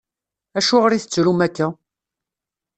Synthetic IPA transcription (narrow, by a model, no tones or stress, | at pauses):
æʃuʁɾiθət͡sːɾumækːæ